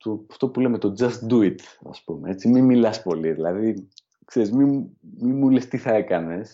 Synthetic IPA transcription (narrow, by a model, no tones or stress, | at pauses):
t̪oɐft̪o̞pule̞me̞t̪o̞d͡zɐst̪d̪uit̪ɐ̰spumee̞t͡simimilɐspo̞liðilɐði | kse̞ɾizmimimulest̪iθɐe̞kɐne̞s